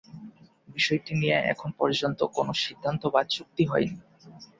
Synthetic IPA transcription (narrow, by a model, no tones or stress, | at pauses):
biʃɔjʈinijeʔɛ̰kʰonpɔɾd͡ʑont̪okonoʃid̪ʱːant̪obad̪̚t͡ɕuk̚t̪iɦɔjni